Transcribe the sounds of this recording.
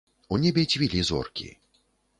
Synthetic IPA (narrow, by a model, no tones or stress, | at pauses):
unʲɛbʲetʲvʲilʲizɔ̰rkʲḭ